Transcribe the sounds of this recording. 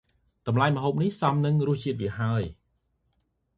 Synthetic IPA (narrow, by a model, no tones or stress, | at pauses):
kɑmlaɛmə̆ɦoːp̚nihsɑmnɨŋrʊ̆əht͡ɕiət̪ʋiəɦaəj